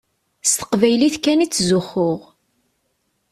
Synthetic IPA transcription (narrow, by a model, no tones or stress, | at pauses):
st̪ə̥qvæjliθkænit͡sːzʊχʊʁ